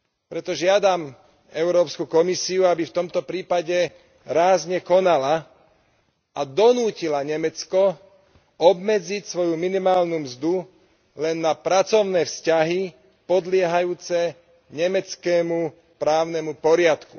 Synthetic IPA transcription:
pɾɛt̪ɔʒɪad̪am | ɛʊɾɔːpskukɔmisiuabift̪ɔmt̪ɔpɾiːpaɟɛ | ɾaːzɲɛkɔnala | ad̪ɔnuːcilaɲɛmɛt͡skɔ | ɔbmɛd͡zicsʋɔjuminimaːlnumzd̪u | lɛnːapɾat͡sɔʊnɛːfscaɦi | pɔd̪lɪɛɦajuːt͡sɛ | ɲɛmɛt͡skɛːmu | pɾaːʊnɛmupɔɾɪat̪kṵ

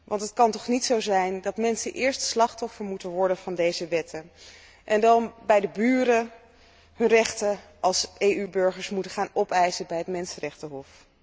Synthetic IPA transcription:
ʋʔɑntətkɑntɔχnitsowzɛjndɑtmɛnsə̰nʔɪːɹstslɑχtɔfəɹmutənʋɔɹdənv̥ɑndejzəʋɛtʰən | ʔɛndɑnbɛjdəbyːrə | ɦɵnrɛχtə | ʔɑlˠsejybøɹχəɹsmutəχaːnɔpɛjzəbɛjɦətmɛnsərɛχtəɦɔf

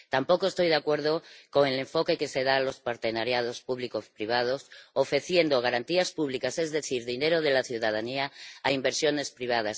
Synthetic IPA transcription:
t̪ampo̞koest̪ojðeakwe̞ɾð̞okoŋeleɱfo̞kekeseð̞alospaɾt̪e̞naɾjað̞ospuβlikospɾiβ̞að̞osofɾe̞θje̞nd̪oɣaɾant̪iaspuβ̞likasezðe̞θiɾðineɾoð̞elaθjuðað̞aniaːimbe̞ɾsjo̞ne̞spɾiβ̞að̞as

